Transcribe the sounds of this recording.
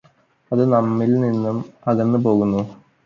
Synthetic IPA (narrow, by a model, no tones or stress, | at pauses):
ɐðɨnɐmːilninːumɐðenːɨpo̞ːɣunːu